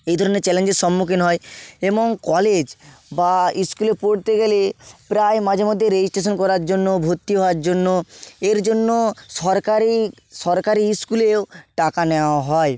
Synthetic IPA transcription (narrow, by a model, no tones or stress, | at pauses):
ejd̪ʱɔɾoneɾt͡ɕɛlend͡ʑeɾʃɔmːukʰinɦɔeeboŋkɔled͡ʑbaiskulepoɽt̪eɡelepɾaemad͡ʑʱemod̪ʱjeɾed͡ʑisʈeʃonkɔɾaɾd͡ʑonːobʱot̪ːiɦɔaɾd͡ʑonːoeɾd͡ʑonːoʃɔɾkaɾi | ʃɔɾkaɾiskuleoʈakaneaaɦɔe